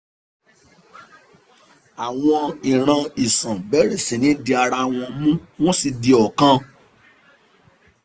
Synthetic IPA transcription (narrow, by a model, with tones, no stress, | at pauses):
a˨w̃ɔ̃˧ĩ˨ɾ̃ã˧i˨sã˨bɛ˨˦ɾe˦˨sĩ˨nĩ˨˦di˧a˧ɾa˧w̃ɔ̃˧mũ˦w̃ɔ̃˦si˧di˧ɔ˨kã˦